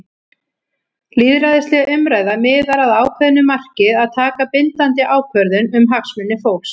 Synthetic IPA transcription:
liːðɾajðɪst̪lɛɣaʔʏmɾaːjðamɪːðaɾaðaːwkʰvœðʏnʏmar̥cɪðaðt̪ʰaːkapɪnt̪ant̪ɪʔaːwkʰvœɾðʏnʏmɦaksmʏnːɪfowk̪s

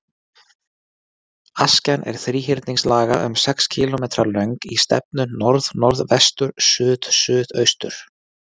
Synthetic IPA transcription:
ascanʔɛ̰ɾ̥θɾiːçɪɾt̪niŋslaːɣaʔʏ̰msɛkscʰɪlɔmeːt̪ɾaɾlœɥŋkist̪ɛ̰p̚nʏnɔɾðnɔɾðvɛst̪ʏɾsʏːðsʏːðœɥst̪ʏ̰ɾ̥

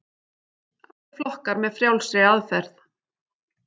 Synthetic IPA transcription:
a | flɔhkaɾmɛðfɾjawlsɪaðfɛɾθ

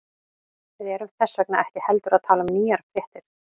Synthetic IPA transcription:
vɪðɛːɾʏmθɛsːœknaɛhcɪhɛlt̪ʏɾaðt̪ʰaːlamniːjaɾ̥pʰɾɛht̪ɪɾ

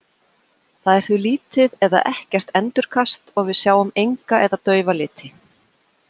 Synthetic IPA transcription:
θaðɛɾ̥θʏliːt̪ɪðɛða̰ʔɛhcɛr̥t̪ɛnt̪ʏɾ̥kʰast̪ɔɣvɪðsjaːwʏmejŋkaʔɛðat̪œːɥvalɪːt̪ʰɪ

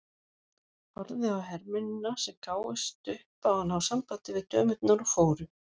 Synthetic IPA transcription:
hɔɾðɪawɦɛɾmʏnʏnasɛmkʰaːwɪst̪ʏhpawhanhawsampaːt̪ɪvɪðt̪ʰœːmʏt̪naɾɔfoːwɾʏ

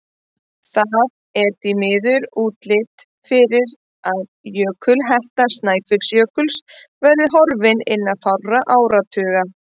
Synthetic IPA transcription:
θað | ɛɾt̪imɪːðʏɾuːt̪lɪt̪ | fɪɾɪɾ | aðjœːkʰʏlɦɛht̪ast̪naːjfɪk̪sjœːkʏlsvɛɾðɪɦɔɾvɪnɪnːaðθawrraʔaːwɾat̪ʰœːɣa

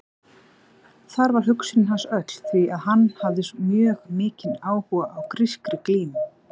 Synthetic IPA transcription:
θaɾvaɾ̥ɦʏksɪnɦansœt̪l̥θviaðɦanːhavðɪsmjœːɣmɪːcɪnaːwhuɣaʔawkɾɪskɾɪkliːm

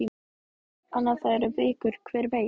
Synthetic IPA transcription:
i | anːḁθaðɛɾʏvɪːkʏɾ̥kʰvɛːɾveː

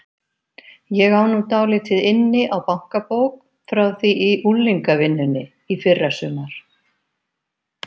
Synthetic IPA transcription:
jɛɣaːwnuːt̪aːwlɪt̪ʰɪðɪnːɪʔawpaŋ̥kapoːwk̚ | fɾawθiʔiʔulːiŋkavɪnːʏnɪ | ifɪrːasʏːmaɾ̥

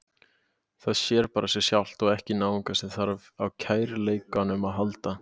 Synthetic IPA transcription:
θaðsjɛɾpaːɾasjɛ̥sjawl̥t̪ɔɣɛhcɪnaːwiŋkasɪðθaɾvawcʰaːjɾleːjkanʏmaðɦalt̪a

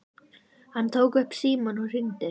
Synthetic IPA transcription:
hant̪ʰowkʏhpsiːmɔnɔr̥ɪnt̪ɪ

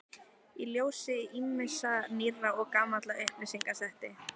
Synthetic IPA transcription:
iljoːwsɪimːɪsaniraɔɣkaːmat̪laʔehpnɪsiŋkasɛht̪ɪ

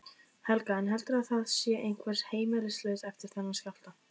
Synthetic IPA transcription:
hɛlkaɛnɦɛlt̪ʏɾaðθaðsjɛʔejn̥kʰvɛɾ̥heːjmɪlɪslœːsɛft̪ɪɾ̥θɛnːascawft̪a

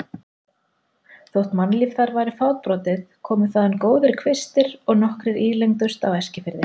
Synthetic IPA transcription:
θowht̪manliːvθaɾvajɾɪfawt̪̚pɾɔːt̪ɪðkʰɔːmʏ̥θaðankoːwðɪɾkʰvɪst̪ɪɾɔɣnɔhkɾɪɾiːlejŋt̪ʏst̪awɛscɪfɪɾðɪ

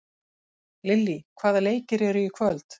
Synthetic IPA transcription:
lɪlːikʰvaːðaleːjcɪɾɛɾʏjɪkʰvœlt̪

